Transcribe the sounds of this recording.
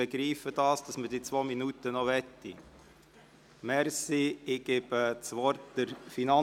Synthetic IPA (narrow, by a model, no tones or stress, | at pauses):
əɡɾiːfəd̥ɑːsd̥ɑsməd̥it͡sʋoːminutənɔʋɛtːi | mɛɾsiɪɡ̥eːb̥ət͡sʋɔɾtd̥əɾfinɑ